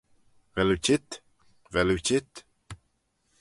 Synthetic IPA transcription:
vɛlut͡ʃʰɪt̪ | vɛlut͡ʃɪt̪

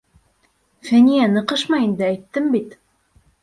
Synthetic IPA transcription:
fænijænəqəʃmɑjend̪ɘæjt̪ːəmbit̪

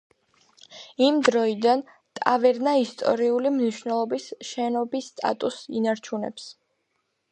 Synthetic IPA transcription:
imd̪ɾɔid̪an | t̪ʼavɛɾnaist̪ʼɔ̰ɾiulimniʃvnɛlˠɔbisʃɛnɔbisːt̪ʼa̰t̪ʼusḭnaɾt͡ʃʰunɛ̰ps

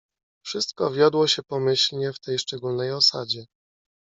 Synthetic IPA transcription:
fʂɘst̪̚kɔvʲjɔd̪wɔɕɛpɔmɘɕlɲɛft̪ɛjʂt͡ʂɛɡulnɛjɔsad͡ʑɛ

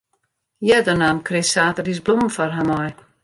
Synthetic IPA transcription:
jɛdənaːmkrɪsaːtərisblumfɔrɦamɔj

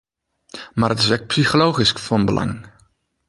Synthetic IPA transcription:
maːɾətɪ̥sʋɛk̚psiχolowχiskfɑnbəlʔɑ̰ŋ

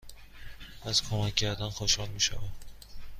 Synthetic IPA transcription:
azkʰomakʰʲːaɾd̪anxoʃhɒlˠmiʃava

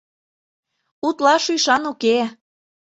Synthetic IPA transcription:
ut̪lɑʃyjʃɑnuke

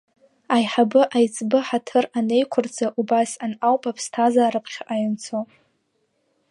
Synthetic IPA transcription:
ajħabɨʔajt͡sʼbɨħatʰɨrane̞jkʷʰʊrd͡zaʔubasanawpʼapʰstʰazaːɾapʰχʲaʔajɪnt͡sʰo

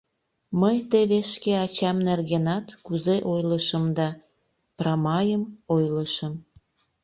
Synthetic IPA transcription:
məjt̪eβeʃkeɑt͡ɕɑmnerɣenɑt̪kuzeʔojləʃəmd̪ɑ | prɑmɑjəmojləʃəm

